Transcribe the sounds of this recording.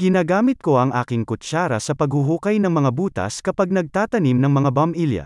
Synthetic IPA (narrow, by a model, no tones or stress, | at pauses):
ɡɪnaːɡaːmɪt̪̚ko̞ʔɐŋʔaːkɪŋkʊt͡ʃaːɾɐ̰sɐpɐɡhʊɦuːkɐjnɐŋmɐŋabuːt̪ɐ̰skɐpaɡ̚nɐɡ̚t̪aːt̪ɐnimnɐŋmɐŋabɐmʔiljɐ̰